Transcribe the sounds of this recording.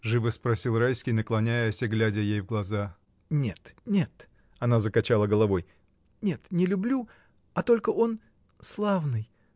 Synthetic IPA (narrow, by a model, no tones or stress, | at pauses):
ʐɨvɨspɾɐsʲilˠrajskʲijnəklˠɐnʲæjjəsʲɪɡlʲædʲəjejvɡlˠɐza | nʲe̞t̪nʲe̞t̪ | ɐnazəkɐt͡ɕalˠəɡəlˠɐvo̞j | nʲe̞t̪nʲɪlʲʊblʲu | ɐt̪o̞lʲkəʔo̞n | slˠavnɨj